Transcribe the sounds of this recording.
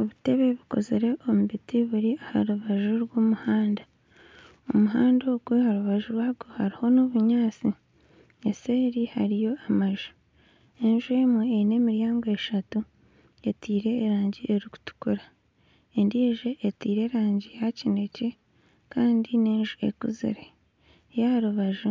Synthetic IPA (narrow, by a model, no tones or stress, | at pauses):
oβute̞βe̞βiko̞̰zeɾe̞ʔo̞muβitiβuɾiahaɾuβaʒuɾɡoːmuhaːnda | omuɦaːndoɡwehaɾuβaʒuɾwaːɾɡohaɾiho̞noβuɲaːt͡si | eseːɾihaɾijo̞amaʒu̥ | e̞nʒue̞mweene̞ːmiɾjaːŋɡoeʃatu | etiːɾe̞ːɾaːɲɟiʔeɾiku̥tu̥kuɾa | endiːʒe̞ʔːtiːɾe̞ːɾaːɲɟijacine̞ce̞ | kaːndineːnʒuḛkuzḭɾe̞ | jahaɾuβaʒu